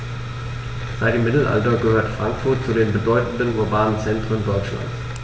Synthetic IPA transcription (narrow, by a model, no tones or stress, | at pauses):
saɪkəmɪtl̩ʔa̰ltɐɡəhøːɐtfʁ̥aŋkfʊɐt̚t͡sudeːnbədɔʏtn̩dənuɐbaːnənt͡sɛntʁ̥əndɔʏt͡ʃla̰nt